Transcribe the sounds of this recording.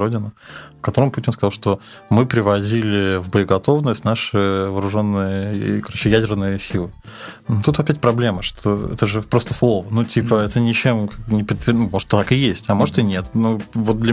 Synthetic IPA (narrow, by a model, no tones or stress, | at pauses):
odʲɪnə | fkɐt̪o̞ɾəmputʲɪnskɐzlˠʂt̪o̞ | mɨpɾʲɪvɐdʲilʲɪvbəɪɡɐt̪o̞vnəsʲtʲnaʂɨvəːɾʊʐo̞nːɨjəkɐɾot͡ɕɪjædʲɪrnɨjəsʲilˠɨnt̪ut̪vɐpʲætʲpɾɐblʲe̞məʂt̪ʰo̰ɛ̰t̪əʐɨpɾo̞st̪əslˠo̞vənutʲipʰəɛt̪ənʲɪt͡ɕemkanʲɪpʲɪt̪vʲnumoʐɨt̪ːət̪akɨjesʲtʲɐmo̞ʐɨt̪ɨnʲe̞t̪nuvot̪̚d̪lʲɐ